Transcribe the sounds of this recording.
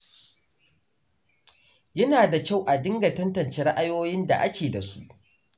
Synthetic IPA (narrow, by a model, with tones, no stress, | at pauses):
jɐ˦naː˨da˨kʲa˦˨wʔa˨dɪ˦ŋɡɐ˨tɐ˦ntɐ˨nt͡ʃeː˦ɾɐ˦ʔa˦joː˦jɪ˦nda̰˨ʔa˦kʲeː˨da˨su˦ʔ